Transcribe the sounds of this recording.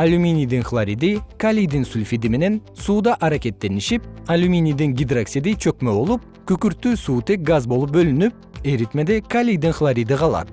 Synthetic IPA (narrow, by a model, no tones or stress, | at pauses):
alʲumʲinijd̪ɪŋχlˠaɾid̪ikʰalʲijd̪ɪŋsulʲfid̪ɪme̞ne̞nsuːd̪ɑʔaɾakʲe̞t̪ːe̞ɾɪnɪʃɪp̚alʲumʲinijd̪ɪŋɡʲid̪ɾaksid̪ejt͡ʃʰøkmebo̞lˠup̚ | kʲʰɵkʲʏɾt̪ːʉsuːt̪ʰe̞k̚ɡazbo̞lˠup̚bɵlɪnɪp̚eɾit̪med̪ekʰalʲijd̪ɪŋχlˠaɾid̪ɪqʰɑlˠɑ̰d̪ə